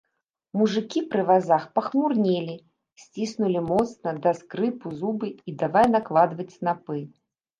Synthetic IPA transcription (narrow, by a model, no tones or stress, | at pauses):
muʐɨkʲipɾɨvazaxpɐxmurnʲelʲi | sʲt͡sʲisnulʲimɔt̪snɐd̪askɾɨpuzubɨid̪avajʲnaklˠad̪vɐt͡sʲsnapɨ